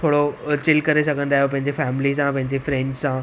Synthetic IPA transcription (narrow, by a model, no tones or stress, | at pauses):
t̪ʰoːɽot͡ɕɪlkɐɾesɐɡʱə̃nd̪aːɦijopɐ̃ɦɪ̃ɲd͡ʑefɛːmlisãpɐ̃ɦɪ̃ɲd͡ʑefɾẽːɳɖsã